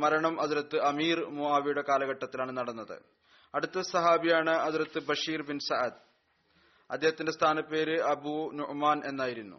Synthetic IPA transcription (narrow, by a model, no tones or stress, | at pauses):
mɐɾɐɳɐmʔɐðuɾɐt̪ːɨɐmiːrmuaːʋijuɽe̞kaːlɐɣɐʈːɐt̪ːilaːɳɨnɐɽɐnːɐðɨ̰ | ɐɽut̪ːɐsɐɦaːbijaːɳɨɐðiɾɐt̪ːɨbɐʂiːrbinsɐʕɐd̪̚ | ɐ̰d̪ːeɦɐt̪indest̪ʰaːnɐpːe̞ːɾɨɐbunuʔmaːnʔe̞nːaːjiɾunːṵ